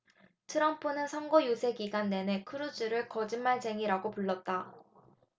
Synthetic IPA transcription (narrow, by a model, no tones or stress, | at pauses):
tʰɯɾʌmpʰunɯnsʰʌŋɡojusʰe̞ɡiɡanːe̞ne̞kʰɯɾud͡ʑɯɾɯɭkʌd͡ʑimːaɭd͡ʑʰe̞ŋiɾaɡopuɭːʌt̚t͈a